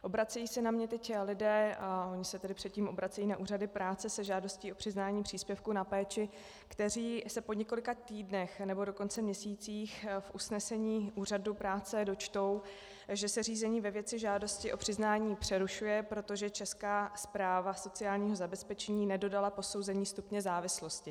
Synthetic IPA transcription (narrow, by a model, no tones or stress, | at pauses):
ʔo̞bɾat͡sɛjiːsɛnamɲɛt̪ɛclɪdɛːʔo̞ɲɪsɛt̪ɛdɪpr̝̥ɛt̪ciːmʔo̞bɾat͡sɛjiːnaʔuːradɪpɾaːt͡sɛsɛʒaːdo̞sciːo̞pr̥ɪznaːɲiːpr̝̥iːspjɛfkunapɛːt͡ʃɪ | kt̪ɛr̝iːsɛpo̞ɲɛkolɪkat̪iːdnɛxnɛbo̞do̞ko̞nt͡sɛmɲɛsiːt͡siːxfʔusnɛsɛɲiːʔuːradupɾaːt͡sɛdo̞t͡ʃt̪o̞w | ʒɛsɛriːzɛɲiːvɛvjɛt͡sɪʒaːdo̞scɪʔo̞pr̝̥ɪznaːɲiːpr̝̥ɛɾuʃujɛpɾo̞t̪o̞ʒɛt͡ʃɛskaːspɾaːvaso̞t͡sɪaːlɲiːɦo̞zabɛspɛt͡ʃɛɲiːnɛdo̞dalapo̞so̞wzɛɲiːst̪upɲɛzaːvɪslo̞scɪ